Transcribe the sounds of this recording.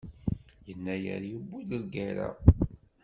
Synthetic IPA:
jənːæjə̰ɾjibːuləlɡæɾæ̰

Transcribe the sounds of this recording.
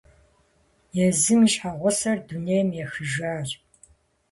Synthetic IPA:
jɛzɨmɨʃħaʁʷɔsɐrduneːjmjɛxɨʒaːr

